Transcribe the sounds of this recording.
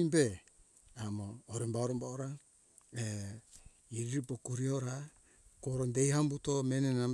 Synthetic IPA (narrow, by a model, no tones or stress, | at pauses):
be | amoːɾembaoɾombaoɾa | e | iɾiɾipokuɾioɾa | koɾondejɦambutomenena